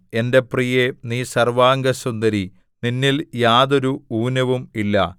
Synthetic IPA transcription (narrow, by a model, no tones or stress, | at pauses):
e̞nde̞prijeniːsɐrʋaːŋɡɐsund̪ɐɾi | ninːiljaːðo̞ɾuuːnɐʋumilːɐ̰